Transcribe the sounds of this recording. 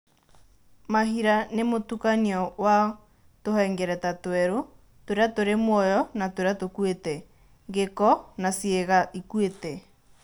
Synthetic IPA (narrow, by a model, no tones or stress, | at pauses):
mahiɾanemotukaniɔwa | tohɛŋɡɛɾɛtatwɛɾo | toɾeatoɾemwɔjɔnatoɾeatokwetɛ | ŋɡekɔnasieɣaʔikuetɛ